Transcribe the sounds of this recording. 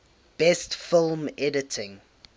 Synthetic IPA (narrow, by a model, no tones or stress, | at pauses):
b̥ɛstfɪlˠmɛdɪtʰɪ̃ŋ